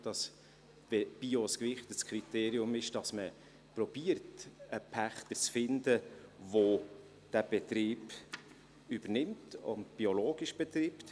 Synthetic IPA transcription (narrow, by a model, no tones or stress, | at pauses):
d̥ɑs | veb̥ioskʋɪχtəskʰχɾit̪eːɾiʊmɪʃd̥ɑsmə | prɔb̥iərtəpʰæχt̪ət͡sfɪndəʋo | d̥æb̥ɛt̪ɾiːb | yb̥ərnɪmtʊ̰ndb̥iɔloːɡ̥iʃb̥ɛt̪ɾiːpt